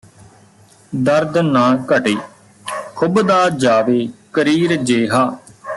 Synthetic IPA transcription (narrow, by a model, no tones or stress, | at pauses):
d̪əɾd̪nãːkəʈeː | kʰʊbd̪aːd͡ʒaːʋeːkəɾiːɾd͡ʒeːɦaː